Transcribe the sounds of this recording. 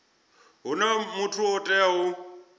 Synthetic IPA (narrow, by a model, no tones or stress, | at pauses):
ɦunamutʰuɔtʼɛɦu